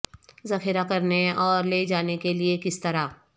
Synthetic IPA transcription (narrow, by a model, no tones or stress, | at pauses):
zɐxɪɾakɐɾneɔːɾleːd͡ʒaːnekeliekɪst̪ɐɾaː